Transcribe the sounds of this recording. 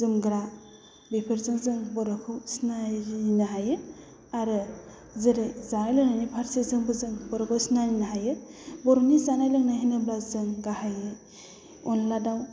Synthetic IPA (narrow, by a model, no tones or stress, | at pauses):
zɯmɡɾa | bipʰɯɾzɯŋzɯŋbɔɾɔkʰɯwsnaɾiinaɦajɯ | aɾɯ | zɯɾɯzajlɯnanipʰaɾsezɯŋbɯzɯŋbɔɾɔkʰɯwsnaɾinaɦajɯbɔɾunisanajlɯŋnaɦinɯblazɯŋɡahajɯ | ɔnladaw